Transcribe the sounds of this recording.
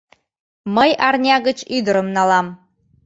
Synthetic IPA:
məjɑrnʲɑɣət͡ɕyd̪əɾə̆mnɑlɑm

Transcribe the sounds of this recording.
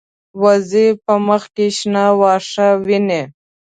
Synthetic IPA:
wazipəməxkeʃnawɑːʂawine

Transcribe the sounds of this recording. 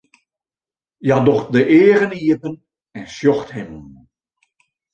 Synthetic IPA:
jadɔχdəʔeːrəniəpən | ɛnsjɔxthɛmən

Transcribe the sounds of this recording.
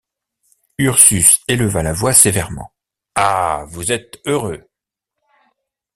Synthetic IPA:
yʁsyseləvalavwasevɛʁmɑ̰̃ | avuzɛt̪øʁø

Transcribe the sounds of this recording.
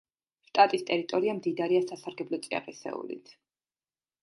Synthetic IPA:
ʃt̪ʼat̪ʼist̪ʼɛɾit̪ʼɔɾiamd̪id̪aɾiasasaɾɡɛblˠɔt̪sʼia̰qʼisɛ̰ṵlḭt̪ʰ

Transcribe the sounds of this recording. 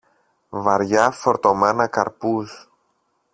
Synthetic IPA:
vɐɾʝɐfo̞ɾt̪o̞menɐkɐ̰ɾpus

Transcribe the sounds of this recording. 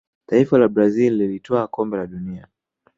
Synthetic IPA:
taifalaɓɾazilːilitʰɔakɔmbɛlaɗunia

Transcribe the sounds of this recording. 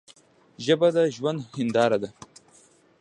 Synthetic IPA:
ʒəbad̪aʒwand̪hɪnd̪ɑːɾad̪a

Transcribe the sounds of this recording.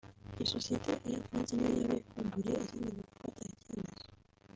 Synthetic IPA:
esosieteʔejafanzinejaβekumbuɾeːziːndiβoku̥fataecanazo

